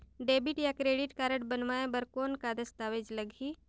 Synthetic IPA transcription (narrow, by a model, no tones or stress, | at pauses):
ɖeːbiʈjakɾeːɖɪʈkaɾəʈbənmaːẽbəɾkoːnkad̪əst̪aːʋed͡ʒləɡʱi